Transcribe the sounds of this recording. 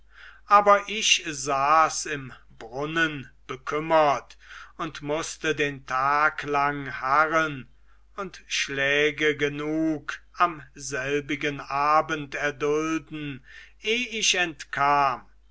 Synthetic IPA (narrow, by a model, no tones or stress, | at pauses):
ʔaːbɐʔɪʃzaːsɪm | bʁʊnənb̥əkʰʏmɐtʊntmʊstədeːntʰaːklaŋhaʁən | ʊntʃlɛːɡəɡənuːkamzɛlbɪɡənʔaːbəntɛɐdʊldn̩ʔeːɪɕɛntkʰaːm